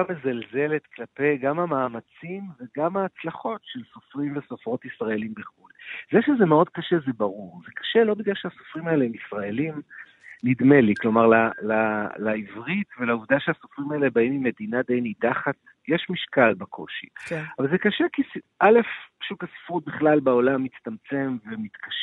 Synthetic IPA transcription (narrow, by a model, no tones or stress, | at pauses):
amezalze̞le̞t̪klape̞ɡamhamaːmat͡simveɡamaːt͡slaχo̞tʃelso̞fʁimveso̞fʁo̞t̪isʁae̞limbeχulzeʃezemeo̞d̪̚kaʃezebaʁuʁzekḁʃelo̞biɡlalʃeaso̥fʁimaeleemisʁae̞lim | nid̪me̞liklo̞maʁlalalaivʁit̪ve̞lauvd̪aʃeaso̞fʁimaelebaimimːe̞d̪inad̪ejnid̪aχat | jeʃmiʃkalbakʰo̞̰ʃḭavalzekaʃekisʔale̞fpḁʃukasi̥fʁut̪̚biχlalbao̞lamːit͡st̪amt͡se̞mvemit̪kaʃ